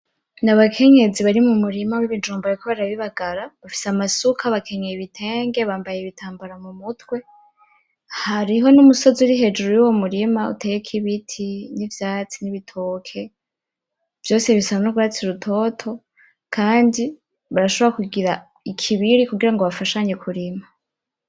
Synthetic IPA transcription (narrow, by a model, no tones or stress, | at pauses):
naβakʰe̞ɲe̞d͡ziβaɾimumuɾimawiβid͡ʒuːmbaaɾikʰoβaɾaβiβaɡaɾaβafi̥seamasukʰaβakʰe̞ɲejiβitʰe̞ːŋɡe̞βaːmbajeβitʰaːmbaɾamumutwe̞ | haɾiɦo̞numuso̞ziuɾiɦe̞d͡ʒuɾojuwo̞muɾimaṵtʰeːjekʰiβitʰinivjaːt͡siniβitʰo̞ːkʰe̞ | v̥jo̞ːseβisaβanoɡuat͡siɾutʰo̞tʰo̞ | kʰaːndi | βaɾaʃo̞βɾakuɡiɾa | ikʰiβiɾikuɡiɾaŋɡoβafaʃaɲekʰuɾima